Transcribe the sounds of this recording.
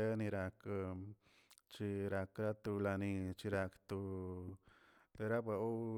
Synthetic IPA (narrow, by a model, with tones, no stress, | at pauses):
e˦nĩ˧ɾa˧k | t͡ʃi˧ɾa˧kɾa˦t̪u˧la˧nĩ˧t͡ʃi˧ɾa˧kt̪u˧ | t̪e˧ɾa˦ba˧o˦